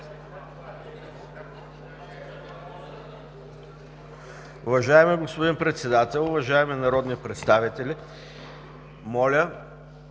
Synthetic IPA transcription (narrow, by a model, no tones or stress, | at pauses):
ʊvɐʒaɛmɛɡospʊd̪inpɾɛt̪sɛd̪at̪ɛlˠʊvɐʒaɛmɛnɐɾɔd̪nipɾɛt̪st̪avit̪ɛlʲi | mɔlʲə